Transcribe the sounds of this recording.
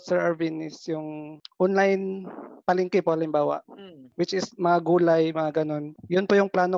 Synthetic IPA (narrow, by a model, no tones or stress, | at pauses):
sɛɹʔɐɹvinɪsjʊŋʔɔnlajnpɐlɪŋkɪpohɐlɪmbaːwɐ̰ʔwɪt͡ʃɪsmɐŋaɡuːlajmɐŋaɡɐno̞njʊnpojʊŋplaːno̞